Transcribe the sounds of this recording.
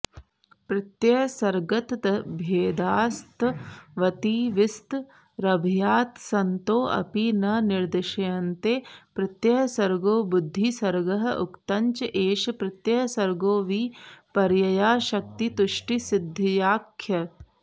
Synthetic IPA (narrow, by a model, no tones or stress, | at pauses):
pɾɪt̪jɐsɐɾɡɐt̪ɐbʱeːd̪aːst̪ʋɐt̪iːʋɪst̪ | ɾɐbʱjaːt̪sɐnt̪oːʔɐ̰pinɐnɪɾd̪ɪʃɐjɐnt̪eːpɾɪt̪jɐɦsɐɾɡoːbʊd̪ʱːisɐɾɡɐɦɐ̆ʔʊkt̪ɐɲt͡ʃɐʔeːʃɐpɾɪt̪jɐɦsɐɾɡoːʋiːpɐɾjɐjaːʃɐk̚t̪it̪uʃʈisɪd̪ʱːɐjaːkʰːjɐ